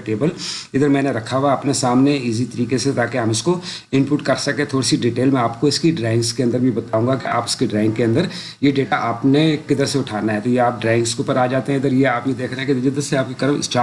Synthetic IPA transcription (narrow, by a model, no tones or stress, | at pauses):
ʈeːbəlɪd̪əɾmɛ̃ːneɾɐkʰːaɦuaɐpnesaːmneiːzit̪ɐɾiːkeset̪aːkeɦɐ̃mɪsko | ɪ̃npuːʈkɐɾsɐkẽt̪ʰoːɽisiɖiʈeːlmɛ̃aːp̚koɪskiɖɾaːɪ̃ŋɡskeɐ̃nd̪əɾbʱibɐt̪aːũːŋɡakea̰ːpɪ̥skiɖɾaːɪ̃ŋɡkeɐ̃nd̪əɾ | jeɖeːʈaʔaːpnekɪd̪əɾseʊʈʰaːnaɦɛt̪ojeaːp̚ɖɾaːɪ̃ŋɡskopɐɾaːd͡ʒaːt̪eɦɛ̃ɪd̪əɾjeaːpjed̪eːkʰɾaɦɛ̃ked̪d͡ʒɪd̪əɾseaːp̚kikɐɾəmɪ̰sʈaː